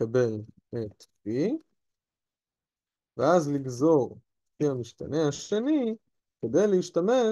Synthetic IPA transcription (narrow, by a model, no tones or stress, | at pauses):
abe̞l | et̪pi | veazliɡzo̞ʁ | fiamiʃta̰ne̞haʃe̞ni | ke̞d̪ejleiʃt̪ame̞